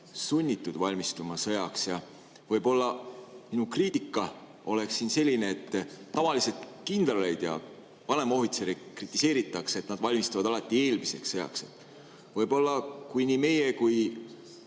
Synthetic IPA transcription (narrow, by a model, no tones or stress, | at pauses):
sunʲːit̪ːˑud̪̥vɑlʲmist̪umɑsɤjɑksjɑ | vɤ̞jbo̞lːɑminukriːt̪ˑikːˑɑ | o̞le̞ksːiːnse̞lʲːine̞ːt̪ːɑvɑliset̪kind̪̥lɑlejd̪̥jɑ̰ | vɑne̞mo̞ɦit̪seɾekrit̪ːˑise̞ːɾit̪ːˑɑkset̪nɑd̪vɑlʲmist̪uvɑd̪ɑlɑt̪ːˑie̞ːlmise̞ksːɤjɑ̰kset̪ːˑ | vɤ̞jbo̞lːɑkujniːme̞jekuj